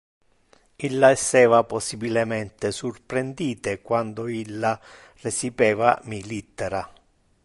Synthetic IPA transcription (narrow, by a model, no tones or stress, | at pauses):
ilːaɛsːɛːvapɔsːibilɛmɛnt̪esurpɾend̪iːt̪ekwand̪oilːa | resipɛːvamilit̪ːɛɾa